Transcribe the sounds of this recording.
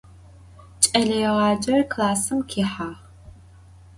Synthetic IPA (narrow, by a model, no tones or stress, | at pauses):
t͡ʃʼɐɮɐjɛʁɑːd͡ʒɐrkʰlaːsɨmkʰiːħaːʁ